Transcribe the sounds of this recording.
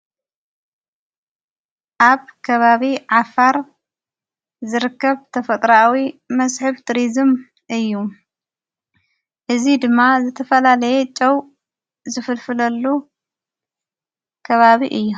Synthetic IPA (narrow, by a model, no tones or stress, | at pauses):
ʔaβkʰɐβaβiʕafaɾ | zɨɾɨkːɐβt̪ʰɐfɐt̪ʼɾawimɐsħɨβt̪ʰɾizɨm | ʔɨjːu | ʔɨzid̪ɨmːazɨt̪ʰɐfɐlalɐjet͡ʃʼɐw | zɨfɨlfɨlɐlːu | kʰɐβaβiʔɨjːu